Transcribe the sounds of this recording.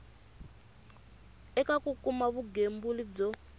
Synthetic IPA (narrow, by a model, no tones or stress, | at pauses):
ɛkakukumaβuɡembulib͡ʐɔ